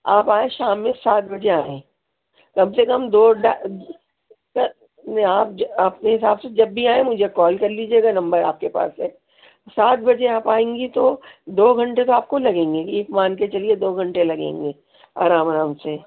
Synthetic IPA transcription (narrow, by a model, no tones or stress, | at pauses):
aːpaːẽʃaːmːẽsaːt̪̚bɐd͡ʒeaːẽː | kɐmsekɐmd̪oːɖa | kɐ | naːp̚ɐpneɦɪsaːbsed͡ʒɐbːʱiaːẽmʊd͡ʒʱekɔːlkɐɾliːd͡ʒieːɡanɐ̃mbəɾaːp̚kepa̰ːsɦɛː | saːt̪bɐd͡ʒeaːpaːẽːŋɡit̪od̪oːɡʱɐ̃ɳʈet̪oaːp̚kolɐɡẽːŋɡeeːkmãːnket͡ʃɐlied̪oːɡʱɐ̃ɳʈelɐɡḛ̃ːŋɡeː | a̰ːɾaːmɾaːmse